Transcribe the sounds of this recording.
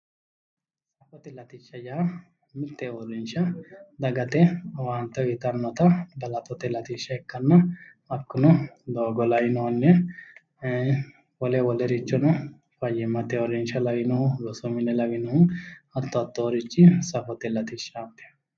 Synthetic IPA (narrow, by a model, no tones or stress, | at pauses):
sɐfɔt̪ɛlɐt̪ɪʃːɐjaː | mɪt̪ːɛɔɾɪnʃɐd̪ɐɡɐt̪ɛwaːnt̪ːɔɪt̪ɐnːɔt̪ɐbɐlɐt̪ɔt̪ɛlɐt̪ɪʃːɐɛkːɐnːɐ | ɐkːʊnʊd̪oːɡɔlɐwɪnɔnːɛ | wɔlɛwɔlɛɾɪt͡ʃːɔnɐ | fɐjːɪmːɐt̪ɛɔɾɪnʃɐlɐwɪnɔhʊlɔsɔmɪnɛlɐwɪnɔʊnɐt̪ːɔɐt̪ːɔːɾɪt͡ʃːɪsɐfɔt̪ɛlɐt̪ɪʃːaːpːɛ̥